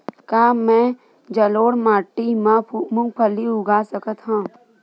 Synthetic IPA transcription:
kaːmɛ̃ | d͡ʒəloːɽmaːʈːimãmʊ̃ŋɡpʰəliʊɡaːsəkət̪ɦãː

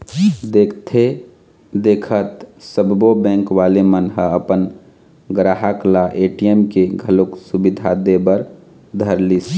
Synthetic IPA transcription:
d̪eːkʰt̪ʰe | d̪eːkʰət̪səbbobɛ̃ːŋkʋaːlemənɦəəpən | ɡɾaːɦəklaʔeːʈijemkeɡʱəloksubɪd̪ʱad̪ebəɾ | d̪ʱəɾlis

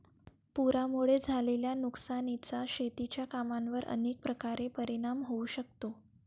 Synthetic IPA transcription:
puɾamuɭed͡zʱaleljanuksanit͡saɕet̪it͡ɕjakamanʋəɾə̰nek̚pɾəkaɾepəɾiɽ̃amɦouɕək̚t̪o

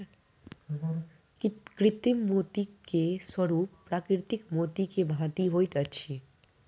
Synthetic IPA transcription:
kɾɪt̪imːot̪ikeswəɾuːpːɾakɾɪɾt̪ikmot̪ikebʱãt̪iɦojt̪ət͡ʃʰi

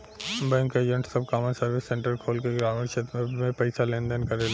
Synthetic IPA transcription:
mbə̃ŋkeːd͡ʒə̃ɳʈsɐb̚kaːmə̃nsɐɾʋɪsːẽɳʈəɾkʰoːlkeɡɾaːmɪɾʃʰet̪mẽpɛɪsalẽːnd̪ənkɐɾel

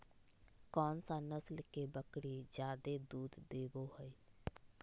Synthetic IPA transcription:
kɔːnsanəslkebəkɽid͡ʒjaːd̪ed̪uːd̪d̪eːboɦəi

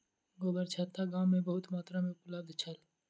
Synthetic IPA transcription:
ɡoːbəɾt͡ʃʰət̪ːaɡãːmːẽbəɦʊt̪maːt̪ɾamẽʊpləb̚d̪t͡ʃʰəl

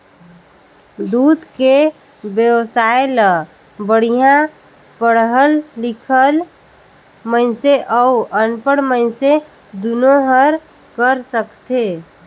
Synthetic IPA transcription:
d̪ud̪ke | bjəwsaelə | bəɽ̤ijã | pəɽɦəlːɪkʰəl | məɪ̃seʔəuənpəɽməɪnse | d̪unoɦəɾ | kəɾsəkt̪e

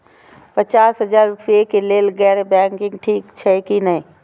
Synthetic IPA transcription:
pɐt͡ʃaːsɦɐzaːɾfeːkeleːlɡɛːɾbɛ̃ːkɪ̃ŋɡʈʰiːkt͡ʃʰɛkinɐɦĩ

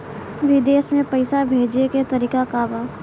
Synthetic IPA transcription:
ʋɪd̪eːsmẽpəɪsabʱeːd͡ʒeket̪ɐɾiːkakabaː

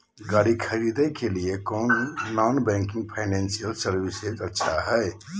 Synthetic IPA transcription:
ɡaɽikʰəɾid̪əkeliekoːnːɔnbɛ̃ŋkĩŋɡ̚pʰaɪnɛ̃nsijəlsəɾbisezətːʃʰaɦɛj

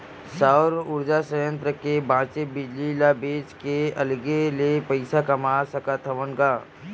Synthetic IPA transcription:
saːɾʊɾd͡ʒasəjə̃nt̪ɾəkebãːt͡ʃebɪd͡ʒlilaːbeːt͡ʃkeɐlɡelepɐɪsakɐmaːsɐkat̪ʰəʋənkaː

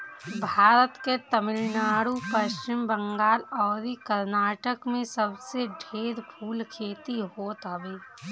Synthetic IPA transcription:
bʱaːɾət̪ket̪ɐmɪlnaːɽupəʃt͡ʃɪmbə̃ŋɡaːlɔːɾikəɾnaːʈəkmẽsɐbseɖʱeːɾpʰuːlkʰeːt̪iɦoːt̪ɦɐbeː

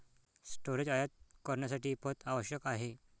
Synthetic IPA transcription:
sʈoɾed͡ʑajat̪̚kəɾɳjasaʈʰiːpət̪aʋəɕjəkaɦe

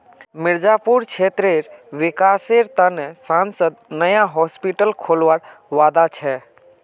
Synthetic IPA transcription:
mɪɾd͡ʒapuɾkʰeːt̪ɾeɾʋɪkaːseɾt̪anɛsãːnsəd̪nəjaɦɔːspiʈəlkʰoːlʋaɾ | ʋaːd̪at͡ʃʰɛ

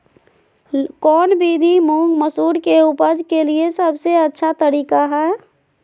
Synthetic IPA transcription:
kɔːnbid̪ʱimõŋɡməsuːɽkeupəd͡ʒkeliesəbseətːʃʰat̪əɾiːkaɦɛ

